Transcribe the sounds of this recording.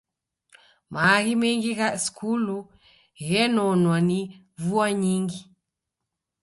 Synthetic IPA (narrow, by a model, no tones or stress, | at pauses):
maːɣimɛŋɡiɣasi̥kʰulu | ɣɛnɔnwani | vuaɲiŋɡi